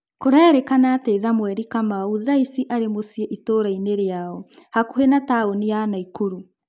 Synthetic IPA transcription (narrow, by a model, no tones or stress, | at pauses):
koɾaɾekanatɛiðamwɛɾikamauðaisiʔaɾemosiɛʔitoːɾaineɾeaɔhakuɦenataonijanaikoɾu